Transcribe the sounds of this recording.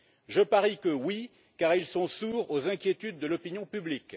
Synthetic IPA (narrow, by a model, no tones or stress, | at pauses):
ʒəpaʁikəwi | kaʁilsɔ̃suːʁozɛ̃kʲjet̪yd̪̚ːəlɔpinjɔ̃pyblik